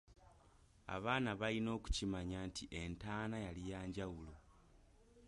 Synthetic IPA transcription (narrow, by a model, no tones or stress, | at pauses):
a̰βaːnaβalino̞ːku̥cimaɲaːntiʔe̞ntaːnajalijaːɲɟawulo